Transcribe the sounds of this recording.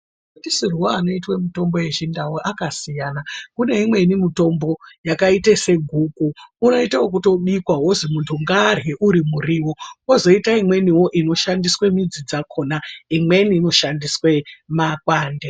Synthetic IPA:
kutisiruwaano̞itwemito̞mbo̞je̞ʐindawuʔakasijanakune̞imwe̞nimito̞mbo̞jakaitese̞ɡʱuːkuːno̞itawok̬uto̞ɓikwaɦozimuntʰuŋɡaːrwe̞ʔuɾimuriwo̞wozo̞itaimwe̞niwo̞ʔino̞ʃandiswe̞mid͡zid͡zakʰo̞naimwe̞niːno̞ʃandiswe̞makwaːnde

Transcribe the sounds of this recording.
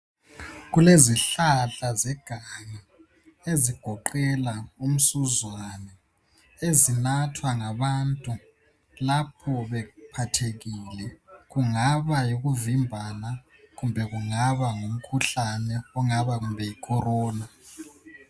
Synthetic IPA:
ɣuleziɬaɬazɛɡ̥ʱaɲɛ | eziɡ̥ʱɔǃɛlaum̩suzwanɛ | ezinatʰwaŋaβantʼu | lapʰɔβɛpʰatʰeɣilɛɣuŋaβajiɣuvimbʱana | ɣumbʱɛɣuŋaβaŋum̩kʰuɬanɛɔŋaβaɣumbʱɛjikʰɔrɔːna

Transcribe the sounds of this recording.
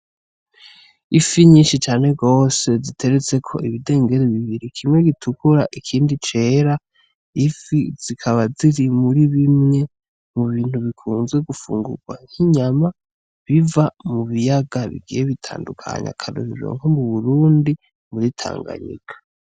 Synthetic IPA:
ifiɲiːnʃit͡ʃaːne̞ɡo̞ːse̞zitʰe̞ɾet͡se̞kʰo̞ʔiβide̞ːŋɡe̞ɾeβiβiɾikʰimŋwe̞ɡitʰukuɾaʔikʰiːndit͡ʃe̞ːɾa | ifiz̥ikʰaβaziɾimuɾiβimŋe̞ | muβiːn̥huβikʰuːnzɡwe̞ɡufṵːŋɡṵɡwaŋ̥hiɲama | βivamuβijaɡaβḭɡijeβitʰa̰ːndukʰa̰ɲa̰kʰano̰ɾio̰ŋhomuβuɾuːndi | muɾitʰa̰ːŋɡa̰ɲḭkḁ

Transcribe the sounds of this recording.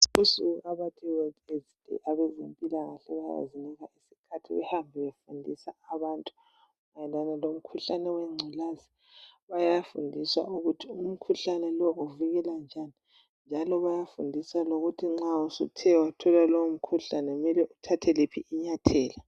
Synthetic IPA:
usuɣuaβatʰiwɛezitʼɛ̰ʔaβɛzempʼilaɣa̰ɬɛβaja̰ja̰ziniɣaisikʰatʰiβɛ̰hambʱiβefundʱisaːβaːntʼu | majɛlanɛlom̩kʰuɬanɛwɛŋ͡ǀʱulazi | βajafṵndʱiswa̰ʔuɣutʰium̩kʰuɬanɛlɔuviɣɛland͡ʒʱani | nd͡ʒʱalɔβajafundʱisaloɣutʰiŋ͡ǀausṵtʰɛwatʰɔlalowom̩kʰuɬanɛumɛlɛʔutʰatʰɛlepʰiʔiɲatʰɛːla

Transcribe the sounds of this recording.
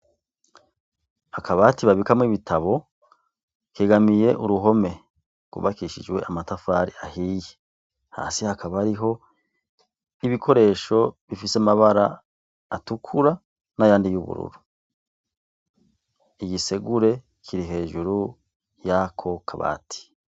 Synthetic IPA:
akʰaβaːtiβaβikamŋiːβitʰaβo̞ | keɡamije̞ʔuɾuɦo̞me̞ | kṵβakiːʃḭd͡ʒwe̞̰ʔamatafaːɾiahije | ha̰ːsihakʰaβaaɾiɦo̞ | iβikʰo̞ɾe̞ːʃo̞βifiseamaβaɾaː | tukʰuɾa | najaːndijuβṵɾṵɾu | iɟise̞ɡuɾe̞ | kʰiɾiɦe̞ːʒuɾu | jakʰo̞kʰaβa̰ːti̥

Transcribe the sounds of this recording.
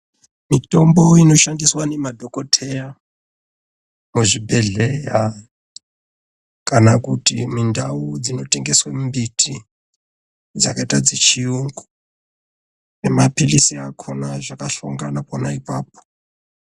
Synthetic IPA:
mitʼomboinoʃandiswanemadʱokʼotʰɛja | muʐibɛɮɛja | kanakutimindʱaud͡zinoteŋɡeswembitʰi | d͡zakaitad͡zit͡ʃʰijuŋɡu | nemapʰilisiakʰɔnaʐakaɬuŋɡanapɔnaipaːp̚ɔ̥

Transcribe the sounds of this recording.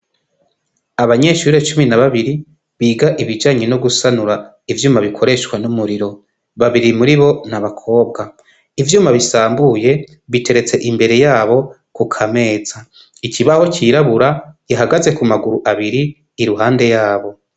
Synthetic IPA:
aβaɲe̞ʃuːɾe̞t͡ʃuminaβaβiɾi | βiːɡaʔiβid͡ʒaːɲeno̞ɡusanuɾa | ivjuːmaβikʰo̞ɾe̞ʃkwanumuɾiɾo̞ | βaβiɾimuɾiβo̞naβakʰo̞ːbɡa | ivjuːmaβisaːmbuje̞ | βitʰe̞ɾe̞t͡se̞ʔimbe̞ɾe̞jaːβo̞ | kukʰame̞ːz̥a | iciβaho̞cʰiɾaβuɾajaɦaɡaze̞kumaɡuɾuʔaβiɾiː | ɾuɦaːnde̞jaːβo̞

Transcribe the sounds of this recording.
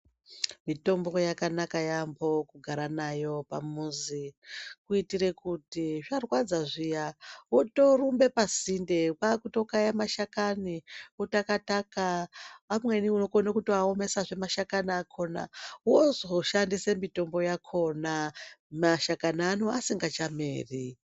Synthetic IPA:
mito̞mbo̞jakanakajambo̞kuɡʱaɾanajo̞pamuzikuitiɾe̞kutiʐarwad͡zaʐijawoto̞rumbe̞pazindepakuto̞kajamaʃakaniutakatakaamwe̞niuno̞konakutoaome̞saʐe̞maʃakaniakʰo̞na̰wozoʃandisemito̞mbo̞jakʰo̞namaʃakananuasiŋɡat͡ʃamḛːri

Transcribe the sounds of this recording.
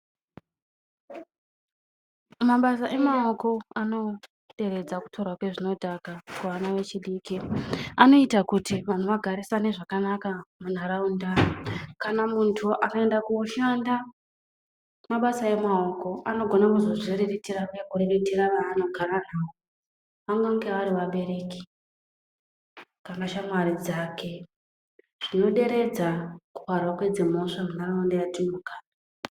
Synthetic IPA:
maɓasaʔe̞mao̞ko̞ano̞ | ɗe̞ɾe̞d͡zaku̥tʰo̞rwakwe̞ʐino̞dʱakakuʋanaʋe̞t͡ʃiɗiːkiano̞itakutiʋan̤oʋaɡʱaɾisane̞ʐakanakamun̤aɾaundakanamuntʰuʔanae̞ndakuoʃanda | maɓasae̞mao̞ko̞ʔano̞ɡʱo̞nakuzo̞ʐiriritirajekuriritiɾaʋaːno̞ɡʱaɾan̤aːo | ʋamwaŋɡeaɾiʋaɓe̞ɾe̞ki̥ | kamɡaʃamwaɾid͡zake̞ | ʐ̥ino̞ɗe̞ɾe̞d͡zaku̥parwakwed͡zemo̞ʂamun̤araundajatinoɡʱaːna

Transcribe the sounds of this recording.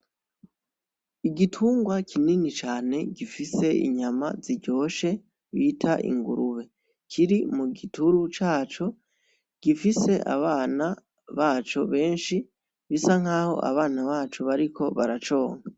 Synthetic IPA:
iɡitʰuːŋɡwakʰininit͡ʃaːne̞ɡifise̞ḭɲamaziɟo̞ːʃe̞ | βiːtʰaʔḭŋɡuɾuβe̞ | kʰiɾimuɡituɾut͡ʃaːt͡ʃo̞ | ɡ̥ifise̞ʔa̰βaːna | βaːt͡ʃo̞βe̞ːnʃi | βisaŋ̥aːho̞̰ʔa̰βaːnaβaːt͡ʃuβaɾikʰo̞βaɾat͡ʃo̞ːŋ̥a

